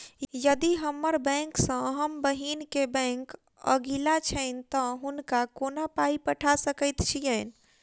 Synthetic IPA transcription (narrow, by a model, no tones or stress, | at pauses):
jəd̪iɦəmːəɾbɛ̃ŋksə̃ɦəmbəɦinkebɛ̃ŋk | ə̰ɡilat͡ʃʰəɪnt̪əɦunkakonapaipəʈʰasəkəɪt̪t͡ʃʰijən